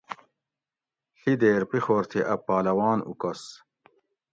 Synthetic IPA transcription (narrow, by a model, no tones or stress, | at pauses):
ɬid̪eːɾpixoːɾt̪ʰeʔɐpːaːlɐwaːnṵkɐs